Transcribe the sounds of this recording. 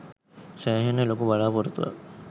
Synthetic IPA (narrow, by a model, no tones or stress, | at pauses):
sæːɦinəlokuʋalaːpuɾut̪uʋa̰